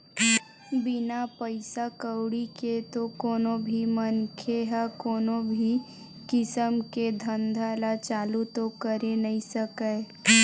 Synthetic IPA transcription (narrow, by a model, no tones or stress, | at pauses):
bɪnapəɪsakəwɽiket̪okoːnõbʱimənkʰeɦakoːnõbʱi | kɪsəmked̪ʱə̃nd̪ʱalat͡ʃaːlut̪okəɾenəisəkəe